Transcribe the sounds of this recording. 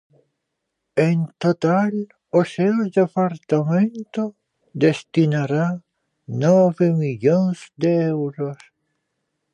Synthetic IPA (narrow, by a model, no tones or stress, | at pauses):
ent̪ot̪al | oseod̪epaɾt̪amẽnt̪o | d̪est̪inaɾa | nɔβemiʎonsd̪eewɾos